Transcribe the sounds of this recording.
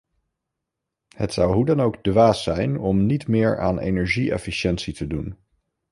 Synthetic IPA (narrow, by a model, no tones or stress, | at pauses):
hətsʌwɦudɑnowɡdʋaːsɛjnɔmnitmɪːɹa̰ːnḛjnɛɹʒiɛ̰fiʃɛntsitədun